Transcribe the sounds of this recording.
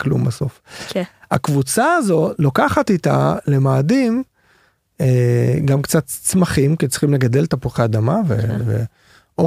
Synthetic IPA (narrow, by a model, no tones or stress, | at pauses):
klṵmbaso̞̰f | ha̰kvut͡saːzo̞lokaχat̪it̪a̰le̞maːdim | eɡamkt͡sat̪ːt͡smaχimket͡sχimleɡad̪elt̪apuχaːd̪amavḛvḛ | o